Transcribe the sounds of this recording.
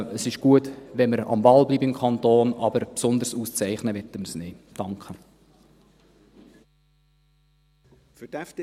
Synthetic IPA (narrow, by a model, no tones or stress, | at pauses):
əsɪʃɡ̥uətʋɛnməɾɑ̰mvɑlbliːbəɪmkʰɑnt̪oːnɑbəɾpsʊnd̪əɾsuːst͡sɛɪχnəʋɛtːəməɾsneːd̥ɑŋkχə | fyd̥æft